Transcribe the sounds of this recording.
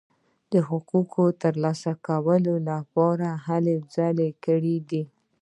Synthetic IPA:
d̪̥əɦʊkukʰot̪əɾlɑsakawəlolapɑɾaɦaled͡zɑlekəɽid̪i

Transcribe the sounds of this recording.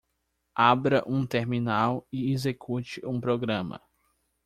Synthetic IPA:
abɾɐʔũt̪eɾminawɪezekʰut͡ʃɪũpɾoɡɾɐ̃mɐ̰

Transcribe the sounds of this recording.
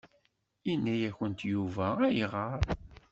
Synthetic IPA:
inːæjæçənt̪juvææjʁəɾˤ

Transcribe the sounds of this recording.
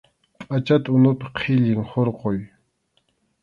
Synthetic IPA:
at͡ʃat̪ʊnʊp̪qʰiʎɪŋχoɾqoj

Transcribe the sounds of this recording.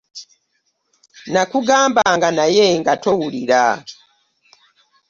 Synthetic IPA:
nakuɡaːmbaŋɡanajeŋɡatowuliɾa

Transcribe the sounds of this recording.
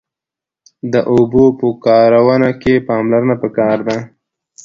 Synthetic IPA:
d̪əʔobopəkɑɾawənakepɑmlaɾənapəkɑɾd̪a

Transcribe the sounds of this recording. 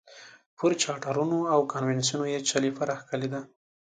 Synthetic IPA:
pʊɾt͡ʃɑʈaɾunoawkanwens̬iunojet͡ʃalifaɾaxkaled̪a

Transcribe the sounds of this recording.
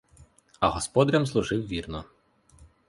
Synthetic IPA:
ɐɦɔspɔd̪ɐɾʲɐmzlˠʊʒɪwʋʲirnɔ

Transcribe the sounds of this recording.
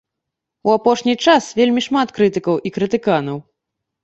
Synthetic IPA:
uapɔʂnʲit͡ʂasvʲelʲmʲiʂmat̪kɾɨt̪ɨkɐwʔikɾɨt̪ɨkanɐw

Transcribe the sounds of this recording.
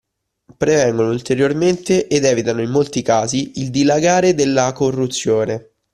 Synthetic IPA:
pɾevɛŋɡonoult̪eɾjorment̪eʔed̪ɛːvit̪anoimːolt̪ikaːziild̪ilaɡaːɾed̪elːakorːut̪sːjoːne

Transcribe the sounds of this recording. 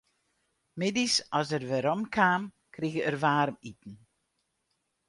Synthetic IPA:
mɪdisɔsərʋɪɾɔmkʰaːm | kriɣəərʋaːrmit̚ən̩

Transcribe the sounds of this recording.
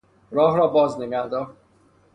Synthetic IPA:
ɾɒːɦɾɒːbɒːzneɡæɾd̪ɒːɾ

